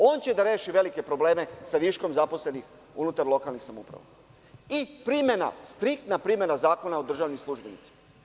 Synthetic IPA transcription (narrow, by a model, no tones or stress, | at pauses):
o̞ːnt͡ɕe̞d̪aɾe̞ːʃiʋe̞like̞pɾo̞ble̞ːme̞saʋiʃko̞mzaposle̞nix | unut̪aɾlˠo̞kalnixsamupɾa̰ʋa̰ | ipɾime̞na̰st̪ɾik̚t̪napɾimje̞nazaːko̞naod̪r̩ʒaːʋnislˠuʒbenḭt̪si̥ma